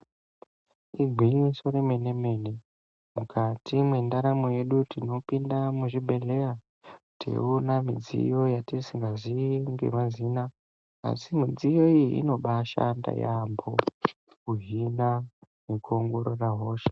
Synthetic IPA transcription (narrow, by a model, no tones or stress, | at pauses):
iɡʱwiɲisoɾeme̞ne̞me̞ːne̞ | mukʰatimwe̞ndaɾamoje̞ɗutino̞pindamuʐibʱe̞ɮe̞ja | tʰḛunamid͡zḭjo̞jatisiŋɡaziŋɡe̞̰mazina | a̰simid͡zijo̞iḭno̞ɓaʃa̰nda̰jambo̰ | kuɦina | nekuoŋɡo̞ɾo̞raɦo̞ːʃe̥